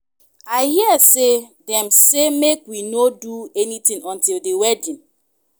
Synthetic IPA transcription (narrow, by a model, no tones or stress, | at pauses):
aɪɦiɛsedɛ̃msemekwinoduɛnitĩŋɔ̃ntildewɛdĩn